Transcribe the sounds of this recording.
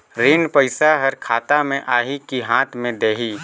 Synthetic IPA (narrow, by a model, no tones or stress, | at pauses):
ɾeːnpəɪsaɦəɾkʰaːt̪amẽʔaːɦikiɦãːt̪ʰmẽd̪eːɦiː